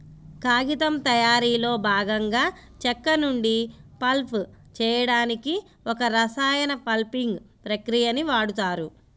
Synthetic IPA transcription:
kaːɡit̪ɐmt̪ɐjaːɾiːlo̞ːbʱaːɡɐŋɡaː | t͡ʃɛkːɐnuɳɖipɐlpʰt͡ʃɛːjɐɽaːniki | ɔkɐɾɐsaːjɐnɐpɐlpiŋɡpɾɐkɾijɐniʋaːɽut̪aːɾu

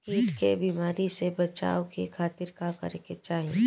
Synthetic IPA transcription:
kiːʈkebiːmaːɾisebɐt͡ʃa̰ːokekʰaːt̪ɪɾkakɐ̰ɾeket͡ʃaːɦiẽ

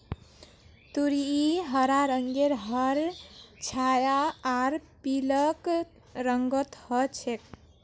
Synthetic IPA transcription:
t̪uɾiiɦəɾaɾəŋɡeɾɦəɾt͡ʃʰajaaɾpilək | ɾəŋɡət̪hət͡ʃʰek

